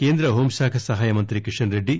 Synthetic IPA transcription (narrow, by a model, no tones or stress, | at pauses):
keːnd̪ɾɐɦoːmʃaːkʰɐsɐɦaːjɐmɐnt̪ɾikiʂɐnɾeɖːi